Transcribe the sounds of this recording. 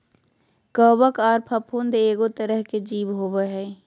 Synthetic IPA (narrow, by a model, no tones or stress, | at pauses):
kəːbəkaːɾpʰɐpʰuːnd̪eːɡot̪əɾəɦked͡ʒiːbɦoːbəɦɛː